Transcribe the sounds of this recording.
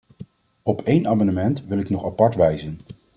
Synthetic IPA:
ɔpʰejnaːmɑnəmɛntʋɪlɪknɔχapɑɹtʋɛjzən

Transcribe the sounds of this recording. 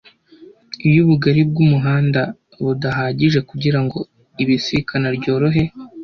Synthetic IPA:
ijuβuɡaɾib̚ɡumuɦaːnda | βudaɦaːɟiʒe̞kuɟiɾaŋɡo̞ | iβisikʰanaɾɟo̞ːɾoɦe̞

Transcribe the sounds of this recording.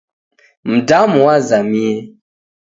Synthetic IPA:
m̩damuwazamie

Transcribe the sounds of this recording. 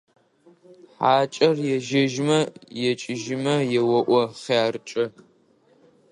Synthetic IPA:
ħaːt͡ʃʼɐrjɛʒɐʒmɐjɛt͡ʃʼɪʒɪmɐjɛwɔʔʷɔχjaːrt͡ʃʼɐ

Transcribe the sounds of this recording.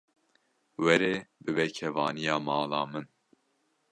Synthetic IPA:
wɛɾeːbɨbɛkʰɛvɑːnijɑːmɑːlɑːmɨn

